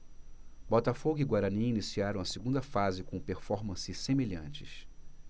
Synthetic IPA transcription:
bɔt̪ɐfoɡʊiɡwaɾɐ̃nĩinisiaɾɐ̃w̃ɐseɡũnd̪ɐfazɪkõpeɾfɔɾmɐ̃sɪsemeʎɐ̃t͡ʃɪ̥̰s

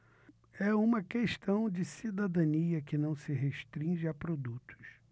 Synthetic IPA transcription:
ɛũmɐkeʃt̪ɐ̃w̃d͡ʒɪsid̪ad̪ɐ̃niɐkɪnɐ̃w̃sɪɦeʃt̪ɾĩʒɪapɾod̪ut̪ʰʊ̥s

